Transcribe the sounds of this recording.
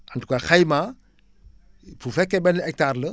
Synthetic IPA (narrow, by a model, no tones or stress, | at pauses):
antukaxajma | fufɛkːɛbɛnɛk̚taɾlə